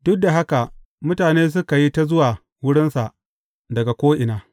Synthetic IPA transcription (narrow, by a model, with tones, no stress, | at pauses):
dʊ˦k̚da˨ɦa˦ka˨ | mʊ˦taː˨neː˦s̬ʊ˦ka˨ji˦ta˦zʊ˦waː˨ | wʊ˦ɽɪ˦nsa˨ʔ | dɐ˨ɡa˨kʷoː˦ʔɪ˨naː˦